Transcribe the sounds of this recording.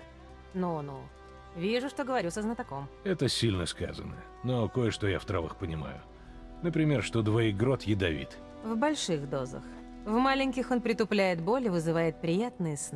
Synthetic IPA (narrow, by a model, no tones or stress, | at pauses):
nunu | vʲiʐʊʂt̪o̞ɡəvɐɾʲusəznət̪ako̞mɛt̪əsʲilʲnəska̰zə̰nə̰ | nokojəʂt̪o̞ja̰ft̪ɾavɨ̰xpənʲɪma̰jʊ | nəpɾʲɪmʲerʂt̪od̪vɐiɡɾot̪jɪd̪ɐvʲḭt̪ | vbɐlʲʂɨxd̪o̞zə̰x | vmalʲɪnʲkʲɪxo̞npɾʲɪt̪ʊplʲæjɪt̪̚bo̞lʲɪvɨzɨvajɪt̪̚pɾʲɪjat̪̚nɨjəsn